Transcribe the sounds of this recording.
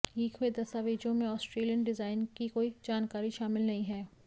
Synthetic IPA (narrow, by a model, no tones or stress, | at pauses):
iːkʰɦʊed̪ɐst̪aːʋeːd͡ʒõmẽɔːsʈɾeːlijənɖɪzaːɪnkikoːid͡ʒaːnkaːɾiʃaːmɪlnɐɦĩɦɛː